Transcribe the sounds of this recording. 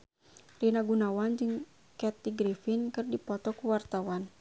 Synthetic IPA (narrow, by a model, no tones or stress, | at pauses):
rinaɡunawand͡ʒɨŋ | kɛt̪iɡɾifinkɨrdipɔt̪ɔkuwart̪awan